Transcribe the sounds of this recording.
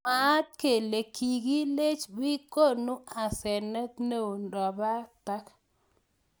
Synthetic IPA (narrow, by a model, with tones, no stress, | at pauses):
ma˨˦t̚ke˨le˨kʰi˨ɡi˦le˦t͡ʃbi˦ko˦˨nu˦a˨sɛ˨nɛ˦t̪ne˦u˨ndɔ˨ba˦ta˦k